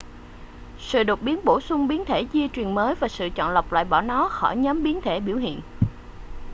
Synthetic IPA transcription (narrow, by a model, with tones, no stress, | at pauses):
sɨ̰˧˨ɗo˨˩t̚ɓi˨˦ənɓo˧˩sʊ˧ŋ͡mɓi˨˦ənt̪ʰe˧˩t͡ɕi˧ət͡ɕwi˨˩ənməː˨˦jvaː˨˩sɨ̰˧˨t͡ɕɔ̰˧˨nlə˨˩wk͡p̚la̰ː˧˨jɓɔ˧˩nɔ˨˦xɔ˧˩jɲə˨˦mɓi˨˦ənt̪ʰe˧˩ɓi˧˩əwhḭ˧˨ən